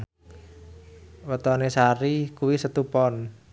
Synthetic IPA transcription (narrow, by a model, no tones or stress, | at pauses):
wət̪ɔnesaɾikuwisət̪upɔn